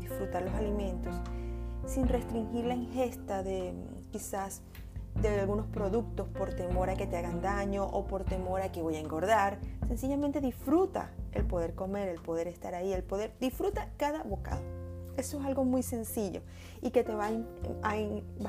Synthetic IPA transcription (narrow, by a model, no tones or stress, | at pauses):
isfɾut̪aɾlo̞salimẽ̞nt̪o̞ssinre̞st̪ɾiŋxiɾlaiŋxe̞st̪aðe̞ | kisas | d̪ealɣuno̞spɾo̞ðuk̚t̪o̞spo̞ɾt̪e̞mo̞ɾake̞t̪eaɣand̪aɲo̞ʔopo̞ɾt̪e̞mo̞ɾake̞βojaeŋɡo̞ɾðaɾse̞nsiʝamẽ̞nt̪e̞ðisfɾut̪a̰ḛlpo̞ðe̞ɾko̞me̞ɾe̞lpo̞ð̞e̞ɾe̞st̪aɾaie̞lpo̞ðe̞ɾd̪isfɾut̪akaðaβo̞ka̰ðo̞e̞soes̬alɣo̞mujse̞nsiʝo̞̰ | ike̞t̪e̞βaa